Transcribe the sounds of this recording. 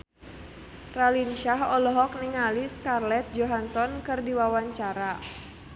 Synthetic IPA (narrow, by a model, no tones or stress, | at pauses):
ralinʃaɦɔlɔɦɔk̚niŋaliskarlɛt̪̚d͡ʒɔɦansɔnkɨrdiwawaɲt͡ʃaɾa